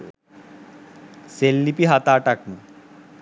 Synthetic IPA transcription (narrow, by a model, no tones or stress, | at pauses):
selːipiɦat̪aːʈaknu